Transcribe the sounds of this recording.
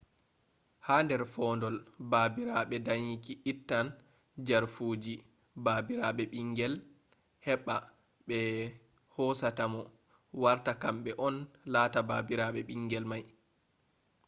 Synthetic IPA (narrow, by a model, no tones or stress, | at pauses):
haːndɛɾfɔːndɔlbaːbiɾaɓɛdaɲikiʔitːan | d͡ʒaɾfuːd͡ʒi | baːbiɾaɓɛɓiŋɡɛl | hɛɓːa | ɓɛ | hɔsatamɔ | waɾtakamɓɛʔɔnlaːtabaːbiɾaɓɛɓiŋɡɛlmaj